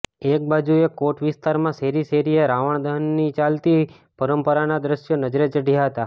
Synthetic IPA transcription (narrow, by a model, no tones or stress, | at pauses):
ek̚bad͡ʒuekoʈʋɪst̪aɾmãseɾiseɾijeɾaʋəɳ̃d̪ʱəɦnːit͡ʃalt̪i | pəɾəmpəɾanad̪ɾəʃjonəd͡ʒɾet͡ʃəɽʱijaɦət̪a